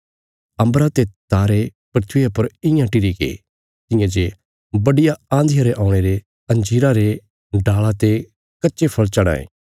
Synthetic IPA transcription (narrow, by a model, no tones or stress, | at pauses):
ɐ̃mbɾat̪et̪aːɾepɾɪt̪ʰɪjapɐɾɪ̃jãʈɪɾikḛ | t̪ɪ̃jãd͡ʒe | bɐɖɪjaãːnd̪ɪjaɾeʔãːʊɽ̃eɾe | ɐ̃nd͡ʒiːɾaɾe | ɖaːɭat̪e | kɐtːʃepʰɐɭt͡ʃɐɽ̃a̰ːḛ̃ː